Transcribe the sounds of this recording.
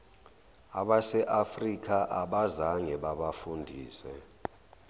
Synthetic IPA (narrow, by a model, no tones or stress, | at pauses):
a̰ɓasɛʔafrik̬ʰʼaʔaɓazaŋɛɓaɓafundʱiːsɛ̰